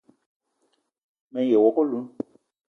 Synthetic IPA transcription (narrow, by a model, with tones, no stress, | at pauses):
mɛ̃˨˦je˨wɔ˨ko˦lu˨˦n